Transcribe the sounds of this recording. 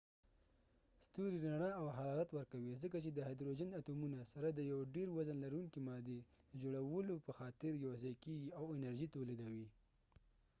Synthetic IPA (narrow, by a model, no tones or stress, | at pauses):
st̪uɾiɾaɳəawɦaɾɑɾat̪wəɾkawizəkat͡ʃed̪əɦajd̪ɾod͡ʒɪnat̪omunasaɾad̪əjawɖeɾwazənlaɾuŋkimɑd̪e | d̪əd͡ʒoɽawəlopəxɑt̪ɪɾjawzɑjkeɡiawɪnaɾʒit̪oled̪awi